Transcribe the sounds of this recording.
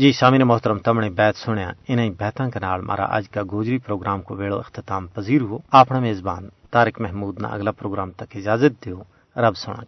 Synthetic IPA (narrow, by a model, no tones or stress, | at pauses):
d͡ʒiːsaːmiːɾeːmʊɦt̪əɾəmt̪ɐmɽẽbɛːt̪sʊɽ̃jã̰ːɪnãːĩːbɛːt̪ãːkenaːlmʔa̰ːɾa̰ʔɐ̰d͡ʒkaːɡoːd͡ʒɾiːpɾoːɡɾaːmkoʋeːɭo̰ːɪxt̪ɪt̪aːmpɐziːɾɦʊoːaːpɽ̃aːmeːzbaːnt̪aːɾɪkmɛɦmuːd̪nã̰ːɐ̰ɡlaːpɾoːɡɾaːmt̪ɐkɪd͡ʒaːzət̪̚d̪eoː | ɾɐbsʊɽ̃ã̰ː